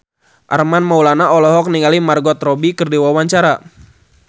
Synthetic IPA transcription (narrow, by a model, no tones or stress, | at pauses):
ʔa̰rmanmaulanaɔlɔɦɔk̚niŋalimarɡɔt̪rɔbikərdiwawaɲt͡ʃaɾa